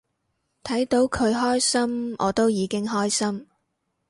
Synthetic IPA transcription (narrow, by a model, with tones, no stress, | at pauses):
t̪ʰɐ˨˥jt̪o˨˥wkʰɵ˨˧ɥɦɔː˥jsɐ˥mɔ̰ː˨˧t̪o˥wjiː˨˧kɪ˥ŋɦɔː˥jsɐ˥m